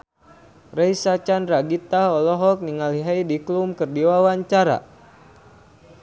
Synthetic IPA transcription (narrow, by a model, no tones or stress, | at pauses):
rɛjsat͡ʃanraɡit̪aɦɔlɔɦɔk̚niŋaliɦaidiklumkɨrdiwawaɲt͡ʃaɾa̰